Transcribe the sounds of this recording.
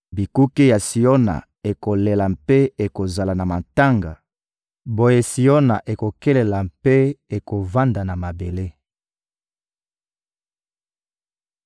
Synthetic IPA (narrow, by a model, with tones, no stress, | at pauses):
bi˨ku˦ke˦ja˨si˨o˦na̰˨ | e˨ko˨le˨la˨mpe˦e˨ko˨za˨la˨na˨ma˨nta˦ŋɡa˨ | bo˦je˦si˨o˦na˨ʔe˨ko˨kɛ˦le˨la˨mpe˦e˨ko˨va˦nda˨na˨ma˨be˨le˦